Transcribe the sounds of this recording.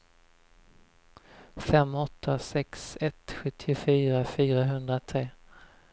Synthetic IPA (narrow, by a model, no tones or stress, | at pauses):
fɛmːɔt̪ʰːasɛksɛt̪ɧɵt̪ʰːɪʊfyːɾafyːɾaɦɵnd̪ɾat̪ʰɾeː